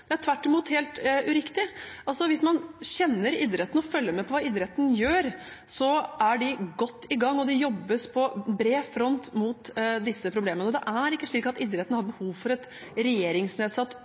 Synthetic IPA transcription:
d̪̥ɛæʈ̪ʰʋæʈːɪmuːt̪heːlt̪ʉɾɪkt̪ɪʔɑlsɔʋɪsmɑnɕɛnːəɾiːd̪ɾɛt̪ənɔfœlːəmɛpʰɔʋɑːid̪ɾɛt̪n̩jøːɾ | sɔʔæɖɪɡɔt̪ːɪɡɑŋːɔd̪ɛjɔbːəspʰɔbɾeːfɾɔnt̪muːt̪d̪ɪsːəpʰɾʊbleːmənəɔd̪ɛʔæɾɪkːəʂɭiːkɑt̪iːd̪ɾɛt̪ːnəhɑɾbəhuːʋfɔɾɛt̪ | ɾɛjeːɾɪŋsneːd̪sɑt̪ː

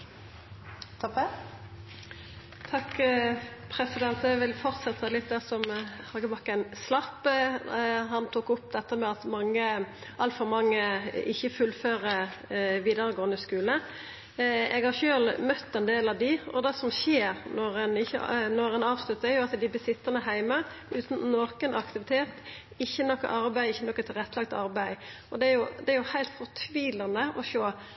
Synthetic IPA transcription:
t̪ʰ | t̪ʰɑkː | pʰɾɛsɪd̪ɛnt̪ɛɡʋɪlfɔʁt̪sɛt̪ʰːɑlɪt̪̚d̪ɛsɔmhɑɡəbɑkːæɪnslɑpː | ɦɑnt̪ʰuːkɔpd̪ɛt̪ːəmɛɑt̪mɑŋːə | ʔɑlt̪fɔʁmɑŋːəɪçːəfʉlføːʁəʋiːd̪əɾəɡoːənəskʉːlə | ɛɡhɑɾçøːlmœt̪ːɛnd̪eːlɑʋd̪ɪʔɔd̪ɛsɔmçeːɾnɔɾɛnɪçːə̰nɔɾɛnɑːʋslʉt̪ːəæɾjʊɑt̪d̪ɪbɪsɪt̪ːənəɦæɪmə | ʉːt̪n̩noːkənʔɑkt̪ɪʋɪt̪ʰeːt̪ | ɪçːənɔkːə̰ʔɑɾbæɪɪçːənɔkːət̪ʰɪlʁɛt̪ːəlɑk̚t̪ɑɾbæɪ | ɔd̪ɛæɾjʊd̪ɛæɾjʊhæɪlt̪fɔʁt̪ʰʋiːlɑnəʔɔʃoː

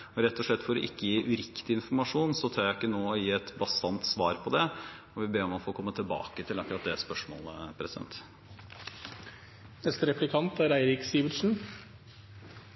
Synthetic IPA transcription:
ɔɾɛt̪ːɔʂɭɛt̪ːfɔɾɛ̰ʔɪkːəjiːɾʔʉɾɪkt̪ɪɪnfɔɾmɑʂuːnsɔt̪ʰɑːɾjæɪɪkːənoːɔjiːɛt̪bɑsɑnt̪sʋɑːɾpʰɔd̪ɛɔʋɪbeːɾɔmɑfoːkʰɔmːət̪ʰɪlbɑ̰ːkət̪ʰɪlɑkːʉɾɑt̪̚d̪ɛspœʂmo̰ːləpʰɾɛsɪd̪ɛ̰nt̪ | nɛst̪əɾɛplɪkʰɑnt̪æɾæɪɾɪksiːʋəʂn̩

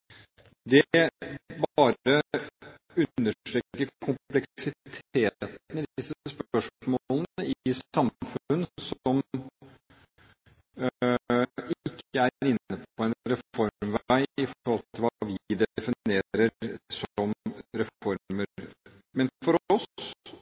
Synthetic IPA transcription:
d̪ɛ | bɑːɾə | ʉːəʈ̪ɾɛːkkːəɾkʰʊmplɛksɪt̪ʰeːt̪nəd̪d̪ɪsːəəsppœʂmolənəɪɪsɑmfʉnsɔm | ɪkʰːəæɾɪnːət̪pʰɔɛnɾɛffɔɾmʋæɪɪfɔɾhɔlt̪ʰɪlʋɑʋɪd̪ɛfɪneːɾəɾsɔmɾɛfɔɾmə | mɛnfɔɾɔs

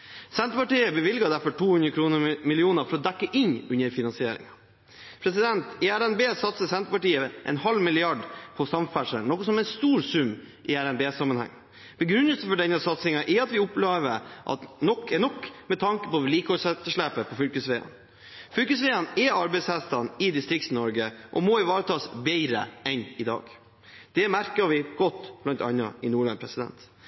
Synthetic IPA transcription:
sɛnt̪ɾəpɑʈiːəbəʋɪlɡɑd̪æɾfɔʈʰuːhʉnɾəkʰɾuːnəmɪlɪuːnəɾfɔɾɔd̪ækːəʔɪnʉɲːəɾfɪnɑnsɪeːɾɪ̰ŋɑ | pʰɾɛsɪd̪ɛnt̪ɪæɾɛnbeːsɑt̪səsɛnt̪ɾəpɑʈiːəʔɛ̰nhɑlmɪlɪɑɖpʰɔsɑmfæʂə̰nɔkːɔsɔmɛɪnst̪uːɾsʉmː | ʔɪæɾɛnbeːsɑmːɑnhæ̰ŋ | b̥əɡɾʉnːəlsəfɔɖɛnːəsɑt̪sɪŋɑʔɛɑt̪ʋɪʊpleːʋəʔɑ̰t̪nɔkʰːɛnɔkːmɛt̪ʰɑŋkə̥pɔliːkhɔʂɛt̪ːəʂɭæːpəpʰɔfʏlkəsʋeːɑ̰n | fʏlkəsʋeːɑnɛɑɾbɛɪshæst̪ɑnɪd̪ɪst̪ɾɪk̚t̪n̩ːɔɾɡəʔɔ̰mɔɪʋɑːɾət̪ʰɑːsbɛɪɾə̰ʔɛnɪd̪ɑ̰ːɡ | d̪̥ɛmæɾkɑʋɪɡ̥ɔt̪ːblɑnt̪ɑ̰nːɑ̰ɪnuːɭɑ̰npʰɾɛsɪd̪ɛ̰nt̪

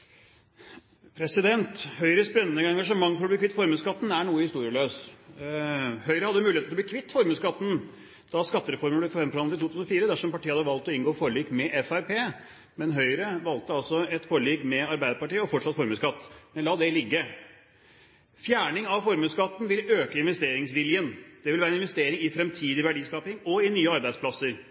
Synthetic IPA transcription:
pʰɾɛsɪd̪ɛnt̪hœʏɾəsbɾɛnnɛɛŋɡɑʂəmɑŋːfɔɾɔblikʰɪt̪ːfɔɾmʉːskɑt̪ːn̩æɳuːəhɪst̪uːɾɪəløːs | hœʏɾəhɑd̪ːəmʉːlɪet̪ɔb̪lːkʰʋɪt̪ːfɔɾmʉːskɑt̪ːn̩ | d̪̥ɑskɑt̪ːəɾɛfɔɾməblɛfɔhɛmfɾɑnəɪt̪ʰuːt̪ʉsnɔfiːɾəd̪æʂɔmpɑʈiːəhɑd̪əʋɑlt̪ɔɪnɡoːfoɾɭiːkmɛʔɛfæɾpeː | mɛnɦœʏɾəʋɑlt̪əɑlsɔɛt̪foːɾɭiːkmɛɑɾbæɪd̪əɾpɑʈiːəɔfɔʈʂɑt̪ːfɔɾmʉːskɑt̪ːmɛnlɑːd̪ɛlɪɡːə | fjæːɳɪŋɑʋfɔɾmʉːskɑt̪ːn̩ʋɪløːkəɪnʋɛst̪eːɾɪŋsʋɪljənd̪̥ɛʋɪlæːɾənɪnʋɛst̪eːɾɪŋɪfɾɛmt̪ʰiːd̪ɪʋæɖiːskɑːpɪŋɔɪnyːəɑɾbæɪspʰlɑsːəɾ

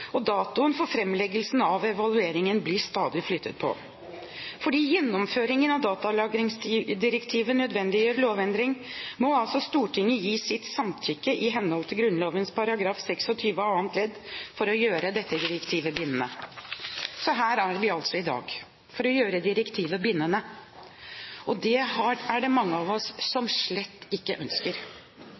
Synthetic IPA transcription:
ɔd̪ɑːt̪ʊənfɔɾfɾɛmːlɛɡəlsn̩ɑʋɛʋɑlʉeːɾɪŋənblɪst̪ɑːd̪ɪflʏt̪ʰːət̪̚pʰɔ̰ | fɔɖiːjɛnːɔmføːɾɪŋənɑʋd̪ɑːt̪ɑlɑːɡɾɪŋsd̪ɪɾɛkt̪ʰiːʋənœd̪ʋɛnd̪ɪjøːɾloːʋɛnd̪ɾɪŋmɔɑlsɔst̪uːʈʰɪŋːəjiːsɪt̪sɑmt̪ʰɾʏkːəʔɪɦɛnːhɔlt̪ʰɪlɡɾʉnloːʋənspʰɑɾɑɡɾɑːfsɛksɔt̪ʰyːʋəɑːənt̪ʰlɛd̪fɔɾɔjøːɾəd̪ɛt̪ːəd̪ɪɾɛkt̪ʰiːʋəbɪnːənə | sɔɦæːɾæɾʋɪɑlt̪sɔɪd̪ɑ̰ːɡ | fɔɾɔjøːɾəd̪ɪɾəkt̪ʰiːʋəbɪnːənə | ɔd̪ɛɦɑæɖɛmɑŋːəɑʋɔsːɔmʂɭɛt̪ːɪkːəʔœnskəɾ

